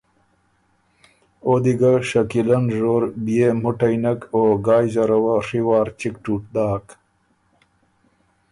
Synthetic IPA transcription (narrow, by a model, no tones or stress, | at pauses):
od̪iɡaʂakilanʐoːɾbijemuʈajnɐkoɡaːjzaɾɐwaʂiwɑːɾt͡ʃikʈuʈ̚d̪aːk